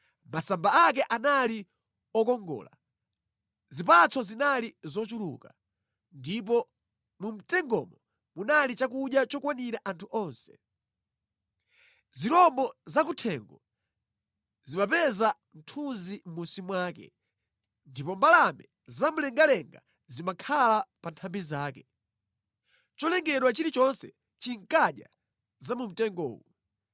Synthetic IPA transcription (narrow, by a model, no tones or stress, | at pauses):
masambaak̬ɛʔanali | ɔkɔŋɡɔ̰ːla | zip̬at͡sɔzinalizɔt͡ʃulṵka | ndip̬ɔ | mum̩tɛŋɡɔ̰mɔ | munalit͡ʃakuɗjat͡ʃɔkwaniɾaʔantʰuʔɔnsɛ̥ | ziɾɔmbɔzak̬utʰɛŋɡɔ | zimapɛza | m̩tʰunzim̩musimwaːkɛ̰ | ndipɔmbalamɛ | zam̩lɛŋɡalɛŋɡa | zimakʰalapantʰambizaːkɛ | t͡ʃɔlɛŋɡɛɗwat͡ʃiɾit͡ʃɔnsɛ̰ | t͡ʃiŋ̩kaɗja̰ | zamum̩tɛŋɡɔ̰ːwɔ